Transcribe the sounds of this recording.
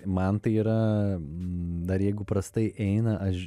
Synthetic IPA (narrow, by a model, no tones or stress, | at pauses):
mɐnt̪ɐɪiːɾɐ | d̪ɐɾjɛɪɡʊpɾɐst̪ɐɪʔɛɪnɐʔɐʃ